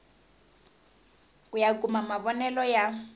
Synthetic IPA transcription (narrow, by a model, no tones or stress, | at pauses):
kujakʼumamaβɔnɛlɔja